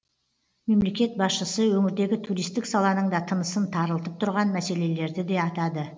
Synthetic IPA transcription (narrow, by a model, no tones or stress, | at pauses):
me̞mle̞kʲe̞t̪̚bɑsʃəsəwɵmɪɾd̪e̞ɡʲɪt̪ʰuɾijst̪ɪksɑlˠɑnəɴd̪ɑt̪ʰənəsənt̪ʰɑɾəlˠt̪əp̚t̪ʰʊɾʁɑnmæse̞le̞le̞ɾd̪ɪd̪e̞ɑt̪ɑd̪ə